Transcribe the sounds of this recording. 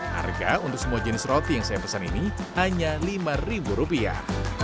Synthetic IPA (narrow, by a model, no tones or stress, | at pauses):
ha̰rɡa̰unt̪ʊk̚səmuad͡ʒənɪsrot̪ijaŋsajapəsaninihaɲalimaribuɾupia̰h